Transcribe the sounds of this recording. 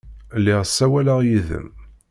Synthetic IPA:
lːɪʁsːæwæləʁjiðə̰m

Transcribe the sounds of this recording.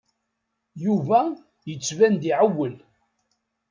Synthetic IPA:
juvæ | jət͡sːvænd̪iʕawːəl

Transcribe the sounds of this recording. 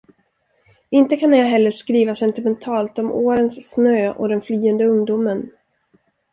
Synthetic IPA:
ɪnt̪əkʰanːjɑːɦɛlːəʂkɾiːvasɛnt̪ɪmɛnt̪ʰɑːlt̪ɔmoːɾənsːnøːɔ̰d̪ɛnflyːənd̪əɵŋd̪ʊmən

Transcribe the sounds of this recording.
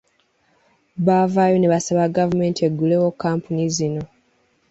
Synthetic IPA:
βavaːjo̞ne̞βasaβaɡavume̞ːntie̞ɡːulewokːaːmpunizino̞

